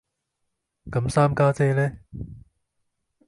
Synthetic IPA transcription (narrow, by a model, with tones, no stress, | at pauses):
kɐ˨˥msaː˥mkaː˥t͡sɛː˥lɛ˦˥